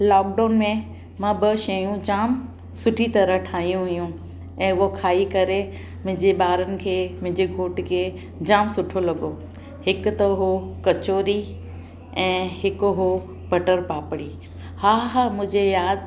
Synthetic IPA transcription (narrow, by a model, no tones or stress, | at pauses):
laːk̚ɖaːnmẽ | mãːbɐʃɐjũd͡ʑaːm | sʊʈʰit̪ɐɾəɦʈʰaːɦijũɦʊjũ | ɛ̃ːʊokʰaːikɐɾe | mʊ̃ɪ̃d͡ʑeɓaːɾənɪ̆kʰeːmʊ̃ɦɪ̃ɲd͡ʑeɡʱoːʈkʰeː | d͡ʑaːmsʊʈʰolɐɡo | hɪkt̪ɐɦokɐt͡ɕoːɾi | ɛ̃ːɦɪkɦo | bɐʈəɾpaːpɽi | haːɦamʊ̃ɦɪ̃d͡ʑejaːd̪